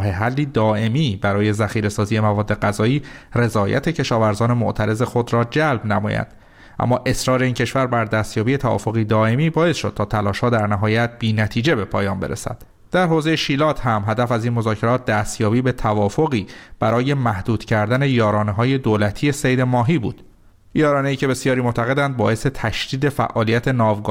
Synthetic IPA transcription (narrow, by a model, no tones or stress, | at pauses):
ɦeɦælːiːd̪ɒːʔe̞miːbæɾɒːje̞zæxiːɾe̞sɒːzije̞mævɒːd̪ːe̞ɡæzɒːiːre̞zɒːjæ̰t̪ʰe̞cʰe̞ʃɒːvæɾzɒːne̞moʔt̪ʰæɾe̞ze̞xo̞d̪ɾɒːd͡ʒælbnæmɒ̰ːjæ̰nd̪̥ | ʔæ̰mːɒːʔe̞sɾɒːɾe̞iːncʰe̞ʃvæɾbæɾd̪æst̪jɒːbiːje̞t̪ʰævɒ̰ːfo̞ɣiːd̪ɒːʔe̞miːbɒːe̞sʃo̞d̪̥̚tʰɒːt̪ʰælɒːʃhɒːd̪æɾnæɦɒːjæt̪̚b̥iːnæt̪ʰiːd͡ʒe̞be̞pʰɒːjɒːmbe̞ɾḛsæ̰d̪̥ | d̪̥æɾɦoːzejeʃiːlɒːt̪ʰhæmɦæd̪æfæziːnmo̞zɒːcʰe̞ɾɒːt̪̚ʰd̪æːst̪jɒːbiːbe̞t̪ʰævɒːfo̞ɣiːb̥æɾɒːje̞mæhd̪uːd̪̥cʰæɾd̪æne̞jɒːɾɒːneɦɒːje̞d̪oːlæt̪ʰiːe̞sejd̪emɒːɦiːbṵːd̪̥ | jɒːɾɒːneiːcʰe̞be̞sjɒːɾiːmoʔt̪ʰæɣe̞d̪ænd̪̚bɒːʔe̞se̞t̪ʰæʃd̪̥iːd̪e̞fæ̰ʔɒːlijæt̪ʰe̞nɒːvɡɒː